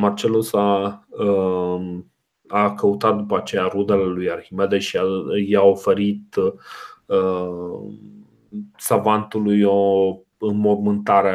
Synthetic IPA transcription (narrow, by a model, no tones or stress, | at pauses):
mart͡ʃe̞lusaə | kəut̪at̪̚d̪upəat͡ʃe̞jaɾud̪ele̞lujarximed̪eʃiajaofe̞ɾit̪ | ə | savant̪ulujo | ɨnmormɨnt̪aɾea